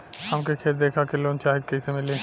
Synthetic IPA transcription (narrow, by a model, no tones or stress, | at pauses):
hɐmkekʰeːt̪̚d̪eːkʰakeloːnt͡ʃaːɦɪd̪̚kɐisemɪlẽː